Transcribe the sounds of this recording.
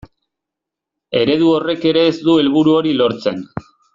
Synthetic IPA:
e̞ɾe̞ð̞uo̞re̞ke̞ɾe̞ːzd̪ue̞lβuɾuo̞ɾilo̞ɾt͡se̞n

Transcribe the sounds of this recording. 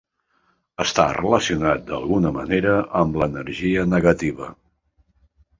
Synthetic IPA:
əst̪a̰rələsiunat̪̚d̪ə̰lˠɣunəmə̰neɾəʔəmlənəɾʒiənəɣət̪iβ̞ə

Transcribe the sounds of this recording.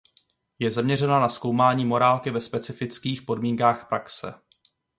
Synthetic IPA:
jɛzamɲɛrɛnanasko̞wmaːɲiːmo̞ɾaːlkɪvɛspɛt͡sɪfɪt͡skiːxpo̞dmiːŋkaːxpɾʔaksɛ̰

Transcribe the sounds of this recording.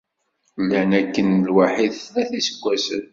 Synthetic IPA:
lːænækːənlwaħiðæθisəɡʷːæsən

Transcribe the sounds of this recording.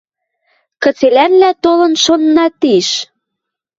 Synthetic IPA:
kə̆t͡selænlæt̪olɤ̆nʃonːɑt̪iʃ

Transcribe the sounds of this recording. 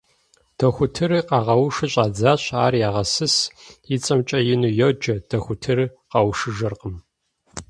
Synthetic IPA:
d̥ʰɐxʷʊtʰɨrɨqɑʁɐwʊʃɨɕʼaːd͡zaːɕaːrjaːʁɐsɨsjɪt͡sʼɐmt͡ʃʼɐjɪnujod͡ʒɐd̥ʰɐxʷʊtʰɨrqɐwʃɨʒɐrqəm

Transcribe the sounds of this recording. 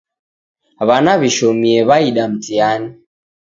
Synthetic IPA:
βanaβiʃɔmiɛβaiɗam̩tiani

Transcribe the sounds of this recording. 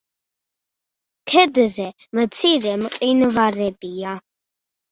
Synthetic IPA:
kʰɛd̪zɛ | mət͡sʰirɛmqʼinvarɛbija

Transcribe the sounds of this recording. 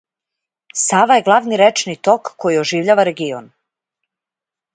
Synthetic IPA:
saːʋaje̞ɡlˠaʋniɾet͡ʃnit̪o̞kːojioʒiːʋʎaːʋaɾe̞ɡio̰n

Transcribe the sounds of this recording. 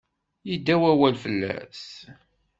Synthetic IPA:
jid̪ːæwæwælfəlːæ̰s

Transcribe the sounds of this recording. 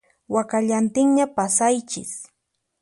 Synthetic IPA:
wakaʎant̪ɪŋɲapasajt͡ʃɪ̰s

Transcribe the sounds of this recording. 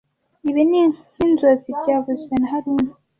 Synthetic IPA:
iβini | inzozibɟaːvuzɡenaɦaɾuːnu

